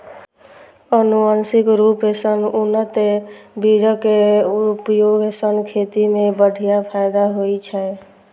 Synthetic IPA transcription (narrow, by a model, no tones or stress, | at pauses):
ənuənsikɾupɦesənunːət̪ebid͡ʒəkeupjoɡesənkʰet̪imebəɽʱijapʰajd̪aɦojt͡ʃʰɛ